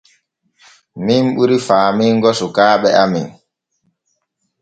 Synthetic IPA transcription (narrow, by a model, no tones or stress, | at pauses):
mimɓuɾifaːmiŋɡɔsukaːɓɛʔamḭn